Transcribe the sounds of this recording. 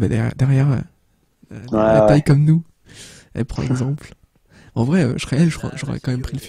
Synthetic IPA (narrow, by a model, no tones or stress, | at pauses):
bɛd̪ɛɛ̰d̪ɛʁjɛʁø̰ | ɛat̪ajkɔmnu | ɛ̰lpχɑ̃ɛ̰ɡzɑ̃pl | ɑ̃vʁɛø̰ʃχɛɛlʒəkʰχwa̰ʒɔʁɛ̰kɑ̃mɛmpχiləf